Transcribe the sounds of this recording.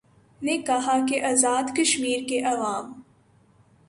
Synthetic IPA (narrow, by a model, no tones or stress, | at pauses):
nekɐɦakeʔɐzaːd̪kɐʃmiːɾkeʔɐʋaːm